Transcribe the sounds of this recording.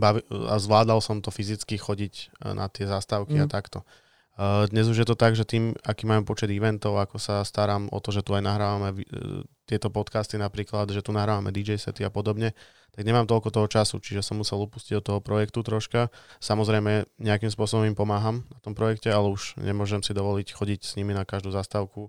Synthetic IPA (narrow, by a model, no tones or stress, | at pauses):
baʋia̰zʋlaːd̪alsɔmt̪ɔfizit͡skixɔɟicnʔa̰t̪ɪɛzast̪aʊkiat̪akt̪ɔ | d̪ɲɛzuʒjɛt̪ɔt̪aɡʒɛt̪iːmakiːmaːmɛpɔt͡ʃɛd̪iʋɛnt̪ɔʊakɔsast̪aɾaːmɔ̰t̪ɔʒɛt̪uajnaɦɾaːʋamɛʋit̪ɪɛt̪ɔpɔt̪kaːst̪inapɾiːklad̪ʒɛt̪unaɦɾaːʋamɛd̪id͡ʒɛjsɛ̰t̪iapɔd̪ɔbɲɛ | t̪aɡɲɛmaːmt̪ɔlkɔt̪ɔɦɔt͡ʃasṵt͡ʃiʒɛsɔmːmusɛlupusciɟd̪ɔt̪ːɔɦɔpɾɔjɛkt̪ut̪ɾɔʃkasamɔzɾɛjmɛɲɛakimspʊɔsɔbɔmimpɔmaːɦamnat̪ɔmpɾɔjɛkcɛalɛuʒɲɛ̰mʊɔʒɛmsid̪ɔʋɔlicxɔɟicsɲiminakaʒd̪uːzaːst̪aʊku